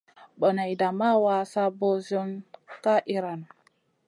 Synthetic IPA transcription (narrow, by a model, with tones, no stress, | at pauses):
ɓɔ˨na˨i˨da˨ma˦wa˦sa˦bo˦zo˦nka˦ʔi˨ɾa˨n